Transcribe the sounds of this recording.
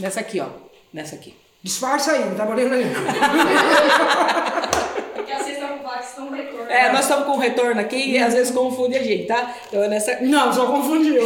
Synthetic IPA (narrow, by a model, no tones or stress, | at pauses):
nɛsɐakiɔ̰ | nɛsɐaki̥ | d͡ʒɪspaɾsaiɐ̃t̪apolẽɾɐĩɐ | kaset̪ɐ̃vasnɐ̃w̃hekoɛnɔzst̪ɐ̃mʊskõɦet̪oɾnʊakiazvezɪskõfũd̪iaʒẽnt̪ɪt̪ã | t̪ɐ̃w̃ɛnɛsɐnɐ̃w̃sɔkõfũd͡ʒi